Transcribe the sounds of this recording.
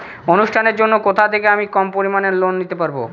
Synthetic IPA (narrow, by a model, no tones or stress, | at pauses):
onuʃʈʰaneɾd͡ʑonːokot̪ʰat̪ʰekeamikɔmpoɾimaneɾlonːit̪epaɾbo̰